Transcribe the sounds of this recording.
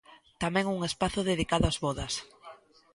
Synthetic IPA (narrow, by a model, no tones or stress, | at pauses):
t̪amɛ̃ŋuŋespaθʊðeðikaðʊazβɔðɐs